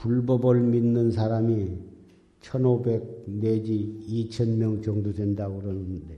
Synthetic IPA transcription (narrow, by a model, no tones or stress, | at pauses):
puɭbʌbɯɭminːɯnsʰaɾami | t͡ɕʰʌnobek̚ned͡ʑiːt͡ɕʰʌnmjʌŋt͡ɕʌŋdodwendakɯɾʌnnɯnde